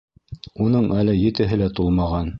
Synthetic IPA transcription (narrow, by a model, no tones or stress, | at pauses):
unɤɴælɘjɘ̆t̪ɘ̆ɦɘlæt̪ulˠmɑʁɑn